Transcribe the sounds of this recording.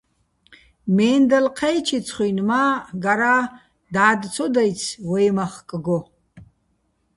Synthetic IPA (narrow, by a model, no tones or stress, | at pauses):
meːndalqʰejt͡ʃʰit͡sʰχʷijnmaɡaɾa | daːdt͡sʰodajt͡sʰwejmaχkʼɨɡo